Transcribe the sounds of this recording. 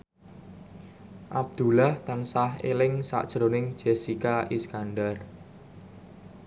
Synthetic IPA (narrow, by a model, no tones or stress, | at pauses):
ʔab̚d̪̥ṳlaht̪ansaɦḛlɪŋsa̰ʔd̥ʒ̥ɾonɪŋ̥d͡ʒ̥ɛsikaʔiskanɖar